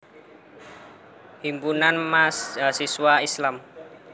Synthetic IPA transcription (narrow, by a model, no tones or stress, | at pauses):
himpunanmasɦasiswaislam